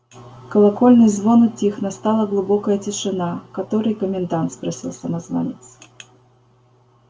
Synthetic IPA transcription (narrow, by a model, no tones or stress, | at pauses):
kɐlˠakɔlʲnɨjzvɔnʊt͡sʲixnɐst̪alˠɐɣlˠubɔkɐjɐt͡sʲɛʂɨnakat̪ɔɾɨjkɐmʲɛnd̪ant̪spɾɐsʲḭlˠsɐmazva̰nʲɛt̪s